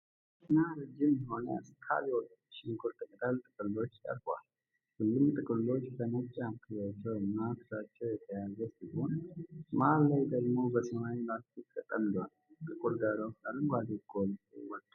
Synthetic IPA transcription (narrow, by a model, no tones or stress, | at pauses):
nːaɾɨd͡ʒːɪmjɪɦo̞nskʰa̰ljɛwɔt̪ːʃɪnɡʰʊɾt̪ʰəkʼət̪ʰalt̪ʼɨkʼɨlːo̞t͡ʃːt̪ʼə̰ɾfa̰l | hʊlːɨmt̪ʼɨkʼɨlːo̞t͡ʃːbənət͡ʃʼːamkʰɨjat͡ʃːɛwnːat̪ʰɨsat͡ʃːɛwjɛt̪ʰəjazəsionmaallajd̪əɡmo̞bəsəmawinat̪it̪ʰʼːət̪ʼːəmd̪al | t̪ʼɨkʼulɡaɾawsalumɡʷad̪eɡʰolwɔt̪ʼː